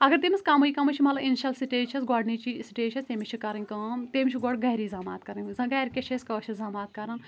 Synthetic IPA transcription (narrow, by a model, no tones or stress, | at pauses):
ɐɡɐɾt̪imiskɐmɐikɐmɐt͡ʃʰimɐtlɐinʃɐlsiʈeːt͡ʃʰɐsɡɔːɖnit͡ʃisiʈeːt͡ʃʰɐst̪emit͡ʃʰikɐɾɐnʲkaːmt̪eːmʲit͡ʃʰiɡɔɽɡɐjɾiːzaːma̰ːt̪̚kɐɾɐnʲzɐ̃ɡɐjɾkʲet͡ʃʰeskɐt͡ʃʰizaːmaːt̪̚kɐɾɐn